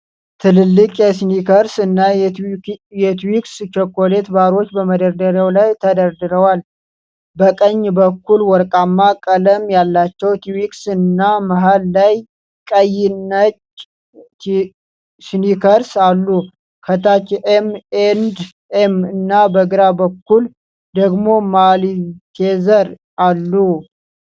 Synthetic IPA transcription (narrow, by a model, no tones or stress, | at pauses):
t̪ʰɨlɨlːɨkʼjɛsnikʰəɾsɨnːa | jɛt̪wikst͡ʃɔkːole̞t̪baɾo̞t͡ʃːbəməd̪əɾd̪əɾawlajt̪ʰəd̪əɾd̪ɨɾəwal | bəkʼəɲːbəkːulwɔɾkʼamːakʼələmjalːat͡ʃːɛwt̪ʰiwiksɨnːamaɦalːaj | kʼəjɪnːət͡ʃ | snikʰəɾsalːu | kʰət̪ʰat͡ʃːʔemend̪ | emɨnːabəɡɨɾabəkːul | d̪əɡmo̞malit̪ʰezəɾ | ʔalːu